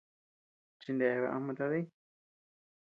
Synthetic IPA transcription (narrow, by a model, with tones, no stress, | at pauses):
t͡ʃi˧nd̪e˨˧βa̰˧ʔa̰˧mã˧t̪a˧ði˦